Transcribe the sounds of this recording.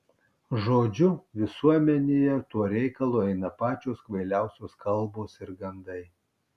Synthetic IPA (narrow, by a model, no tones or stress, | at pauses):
ʒoːd͡ʒʲʊʋʲɪsuɔmʲɛnʲejɛt̪uɔɾʲɛɪkɐlˠoːɛɪnɐpɑːt͡ʃʲoːskʋɐɪlʲæˑʊsʲoːskɐlˠboːsɪɾɡɐnd̪ɐɪ